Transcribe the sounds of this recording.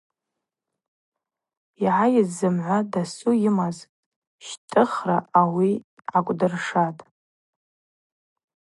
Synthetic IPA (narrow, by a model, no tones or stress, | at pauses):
iʕajɪzːɨmʕʷadasujɪmaz | ʃtʼɨχraawi | ʕakʷʼdɨrʂatʼ